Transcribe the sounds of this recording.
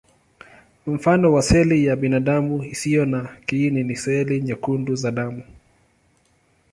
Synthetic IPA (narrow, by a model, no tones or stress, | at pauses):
m̩fanɔwasɛlijaɓinaɗamuisijɔnakininisɛliɲakunduzaɗamu